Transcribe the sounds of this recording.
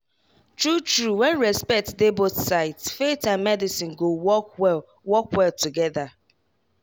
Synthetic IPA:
tɹut͡ʃɹuwɛ̃nɹɛspɛk̚tdebosaɪtsfetãnmɛdisĩnɡowɔkwɛl | wɔkwɛltuɡɛða

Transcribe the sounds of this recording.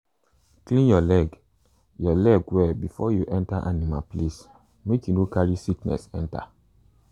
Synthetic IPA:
klĩnjɔlɛɡ | jɔlɛɡwɛbifɔjuʔɛ̃ntaʔanima̰ples | mekjunokaɹisiknɛ̰sɛ̃nta̰

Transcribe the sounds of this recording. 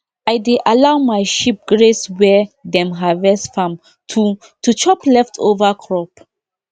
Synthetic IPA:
ajdeʔalawmajʃip̚ɡɹeswɛdɛ̃mɦavɛsfãm | tʰu | tut͡ʃɔplɛftʰo̰vakʰɹɔp

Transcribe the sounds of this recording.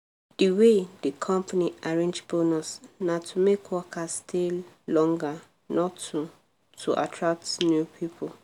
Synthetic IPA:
d̥iwedikʰɔ̃mpaniaɹẽnd͡ʒbonasnatʰumekʰwɔkʰastʰil | lɔ̃ŋɡa | nɔtu | tʰuʔa̰tʰɹak̚tnjupʰipʰɔl

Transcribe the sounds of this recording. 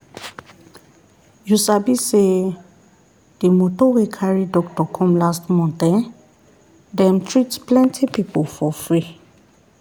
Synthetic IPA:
jusabise | d̥emotɔwekʰaɹidɔk̚tɔkʰɔ̃mlastmɔ̃ntɛ̃n | dɛ̃mtʰɹitplɛ̃ntʰipipofɔfɹi

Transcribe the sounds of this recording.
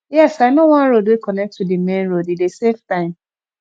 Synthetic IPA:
jɛsaɪnowɔ̃nɾodwekɔnɛk̚tudimẽnɹodideseftãɪ̃m

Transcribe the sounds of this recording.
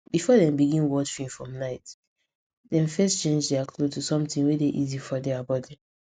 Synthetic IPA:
b̥ifɔdɛ̃mbiɡĩnwɔt͡ʃfĩnfɹɔ̃mnaɪt | dɛ̃mfɛst͡ʃẽnd͡ʒdeakʰlotʰusɔ̃mtĩnwedeʔizifɔdeabatdɛ̃m

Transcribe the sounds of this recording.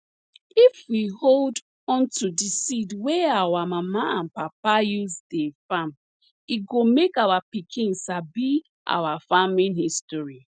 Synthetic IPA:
ifwihold | ɔ̃ntudisidweawamamaãnpap̚ajuzdefam | iɡomekawapikʰĩnsabi | ʔa̰wafamĩnhistɔɹi

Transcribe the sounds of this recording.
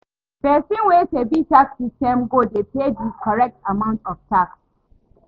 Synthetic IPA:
pɛsĩnwɛtebitaksistɛ̃mɡodepediskɔɹɛk̚tamãʊ̃ntɔftaks

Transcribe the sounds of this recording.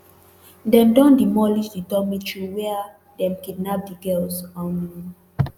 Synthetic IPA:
dɛ̃mdɔ̃ndimɔlisdidɔmitɹiwɛa | dɛ̃mkidnap̚diɡɛlsani

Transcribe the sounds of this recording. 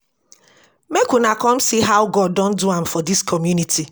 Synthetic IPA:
mekunakɔm̩siɦaʊɡɔd̚ːɔ̃n̩duãmfɔdiskʰɔmjunitʰi

